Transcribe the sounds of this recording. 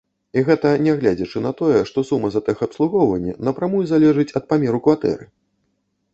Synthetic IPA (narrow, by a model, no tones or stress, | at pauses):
iɣɛt̪ɐnʲɛɣlʲad͡zʲɐt͡ʂɨnɐt̪ɔjɛʂt̪ɔsumːɐzɐt̪ɨxɐpslˠuɣɔwvɐnʲːinɐpɾamujuzalʲɛʐɨt͡sʲɐt̪̚pamʲɛɾukvat̪ɛ̰ɾɨ